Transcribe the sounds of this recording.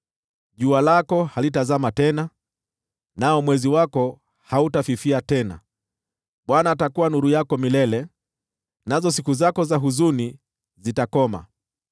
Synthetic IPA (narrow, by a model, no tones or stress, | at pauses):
ʄualakɔhalitazamatɛna | naɔmwɛziwakɔ | hautafifiatɛna̰ | ɓwanaːtakuwanuɾujakɔmilɛlɛ | nazɔs̬ikuzakɔzaɦuzuni | zitakɔma̰